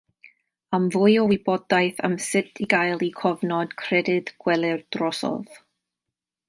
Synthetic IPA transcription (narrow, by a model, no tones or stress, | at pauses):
amvʊjɔwɪbɔdajθə̰msɪtʰiɡajlˠikʰɔvnɔd̥kʰrɛdɪdɡ̥wɛlˠɨrd̥rɔsɔ̰ð